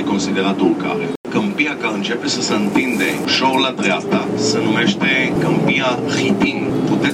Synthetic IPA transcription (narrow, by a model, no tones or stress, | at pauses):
eko̞nsid̪e̞ɾat̪ulka̰ɾekəmpiakaɨnt͡ʃe̞pe̞səsəɨnt̪ind̪e̞ʃolad̪ɾeap̚t̪asənume̞ʃt̪e̞kəmpiahit̪iŋput̪e